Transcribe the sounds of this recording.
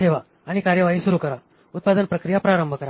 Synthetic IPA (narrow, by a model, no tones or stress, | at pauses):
eʋaː | ɽ̃ikaɾjəʋaɦisuɾukəɾa | ut̪̚pad̪ənpɾəkɾijapɾaɾəmbʱəkəɾa